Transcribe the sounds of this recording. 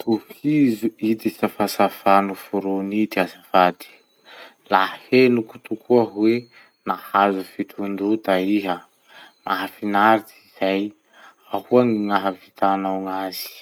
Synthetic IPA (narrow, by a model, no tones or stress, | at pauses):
t̪ufizuid̪isafasafanufuɾunid̪iazafad̪i̥ | lahhenuku̥t̪ukʰuaɦwe | nahazufit̪ʰund̪ut̪aiɦə | maɦafinaɾit͡siz̥aj | ahuaŋiŋaɦavit̪anawŋaz̥i̥